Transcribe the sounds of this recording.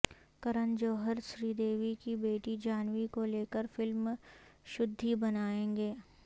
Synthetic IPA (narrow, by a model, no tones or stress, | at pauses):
kɐɾənd͡ʒoːɦəɾʃɾiːd̪eːʋikibeːʈid͡ʒaːnwikoleːkəɾfɪlmʃʊd̪ʱːibɐnaːẽːŋɡeː